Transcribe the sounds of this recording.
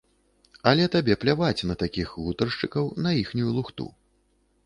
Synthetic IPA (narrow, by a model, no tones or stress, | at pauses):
ɐlʲɛt̪abʲɛplʲavat͡sʲnɐt̪akʲixɣut̪ɐrʂt͡ʂɨkɐwnɐjixnʲujulˠuxt̪ṵ